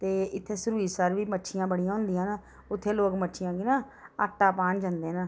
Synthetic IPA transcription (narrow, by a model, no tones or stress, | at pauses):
t̪eːɪt̪ʰːeːsəɾuːiːsəɾʋiːməʈːʃʰɪjãːbəɽijãːɦʊ̃nd̪ɪjãːnaː | ʊt̪ʰːeːloːkmətːʃʰɪjãːɡiːnaː | aːʈːaːpaːnd͡ʒãːnd̪eːnaː